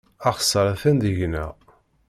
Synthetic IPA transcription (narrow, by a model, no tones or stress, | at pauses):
ɑχsːəɾˤæθænd̪əʝnæ